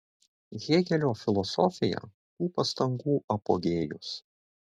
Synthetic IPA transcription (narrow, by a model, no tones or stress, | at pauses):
ɣʲeːɡʲɛlʲoːfʲɪlˠɔsɔfʲɪjɛ̰ | k̪uːpɐst̪ɐŋɡuːʔɐpo̰ːɡʲeːjʊs